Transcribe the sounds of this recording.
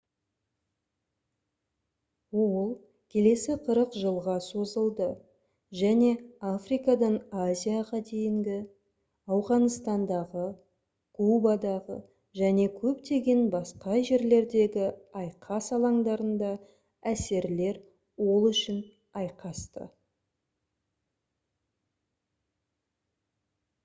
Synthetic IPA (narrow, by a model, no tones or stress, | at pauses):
wolˠ | kʲʰe̞le̞sɪqʰəɾəqʒəlˠʁɑso̞zəlˠd̪ə | ʒæne̞afrijkɑd̪ɑnazʲijaʁɑd̪e̞jɪŋɡʲɪ | ɑwʁɑnst̪ɑnd̪ɑʁə | kʰubɑd̪ɑʁə̰ | ʒæne̞kʲʰɵpt̪e̞ɡʲe̞nbɑsqɑʒe̞ɾle̞ɾd̪e̞ɡʲɪɑjqʰɑsɑlˠɑŋd̪ɑɾənd̪ɑ | æse̞ɾle̞ɾ | wo̞lˠʏʃɪn | ɑjqɑst̪ə̰